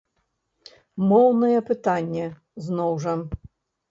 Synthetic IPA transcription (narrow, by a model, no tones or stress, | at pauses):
mɔwnɐjɛpɨt̪anʲːɛ | znɔwʐɐ